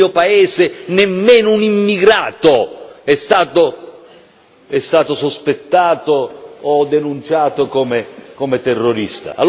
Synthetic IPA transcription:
iːopaɛːsenɛmːeːnʊunimːiɡɾaːt̪oɛst̪aːt̪o | ɛst̪aːt̪osʊspet̪ːaːt̪oːd̪ːenunt͡ʃaːt̪okomekomet̪erːoɾist̪a̰a̰lː

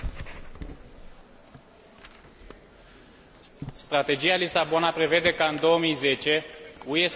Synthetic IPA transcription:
st̪ɾat̪e̞d͡ʒijalisabonapɾe̞ve̞d̪e̞kaɨnd̪o̞omijze̞t͡ʃe̞ues

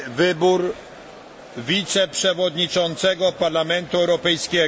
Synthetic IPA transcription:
vɘbuɾ | vʲit̪sɛpʂɛvɔd̪ɲit͡ʂɔnt̪sɛɡɔpaɾlamɛnt̪uɛwɾɔpɛjskʲɛ

